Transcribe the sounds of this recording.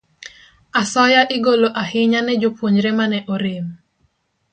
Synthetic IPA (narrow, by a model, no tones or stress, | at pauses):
asɔjaʔɪɡoloʔahɪɲanɛd͡ʒopwoɲɾɛmanɛʔɔɾim